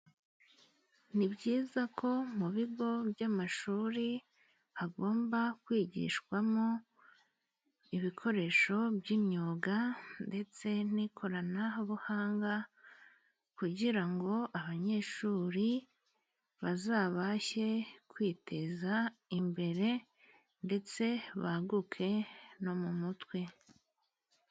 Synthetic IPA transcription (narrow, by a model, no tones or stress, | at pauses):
nibɟiːzakʰo̞muβiɡo̞bjamaʃuːɾi | aɡo̞ːmbakwiːɟḭʃkwamo̞ | iβikʰo̞ɾe̞ʃo̞bɟimɲoːɡande̞t͡se̞n̥ikʰo̞ɾanahuβuhaːŋɡa | kuɟiɾaŋɡo̞ʔaβaɲe̞ːʃuɾi | βazaːβaçe̞kwiːtʰe̞zaimbe̞ɾe̞ | nde̞t͡se̞βa̰ɡukʰe̞no̞mumutwe̞